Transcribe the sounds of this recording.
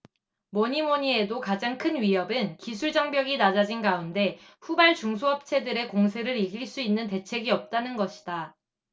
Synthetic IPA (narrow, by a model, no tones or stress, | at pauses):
moɲimoɲie̞dokad͡ʑaŋkʰɯnɥiʌbɯnkisʰuɭd͡ʑʌŋbjʌɡinad͡ʑad͡ʑinɡaunde̞ | ɸubaɭt͡ɕuŋsʰoʌp̚t͡ɕʰe̞dɯɾe̞koŋsʰe̞ɾɯɾiɡiɭs͈uinːɯnte̞t͡ɕʰe̞ɡiʌp̚t͈anɯnɡʌɕʰi̥d̥a